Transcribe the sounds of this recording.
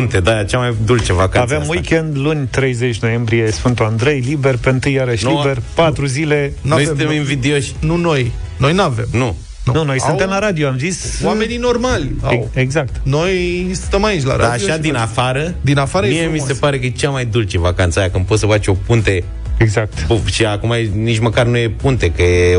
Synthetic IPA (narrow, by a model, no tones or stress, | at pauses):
nt̪ed̪ajat͡ʃamajd̪ult͡ʃevakaavvemwikʲend̪lunʲt̪ɾe̞jzet͡ʃʲno̞je̞mbɾije̞sfɨnt̪uand̪ɾe̞jlibe̞rpeɨnt̪ɨjːaɾəʃlibe̞rpat̪ɾuzile̞nojst̪eminvid̪eoʃʲnuno̞j | no̞jnuave̞̰mnu | ununo̞jsunt̪emlaɾad̪ioamzisowamenino̞rmalʲa̰weɡzak̚t̪no̞jsɨnt̪əmait͡ʃla̰ɾʔad̪aːoʃad̪inafaɾəd̪inafaɾəemijemise̞paɾe̞kəjt͡ʃamajd̪ult͡ʃevakant̪sajakɨmpot̪səfat͡ʃo̞punt̪e | eɡzak̚t̪uʃiakumajenit͡ʃməkarnuje̞punt̪e̞kəje